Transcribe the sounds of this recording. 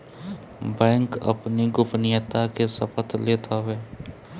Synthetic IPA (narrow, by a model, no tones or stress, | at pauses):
bɛ̃ːŋkə̰pniɡʊpnɪjət̪akesəpət̪ʰleːt̪ʰaʋeː